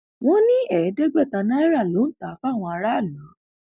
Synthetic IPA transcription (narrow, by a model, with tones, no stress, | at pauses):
w̃ɔ̃˦nĩ˦ɛ˦˨˦dɛ˦ɡ͡bɛ˦˨ta˧nã˦ɛ˦ɾa˦˨lo˨˦n̩˦ta˨˦fw̃ɔ̃˧a˧ɾa˦˨lã˨˦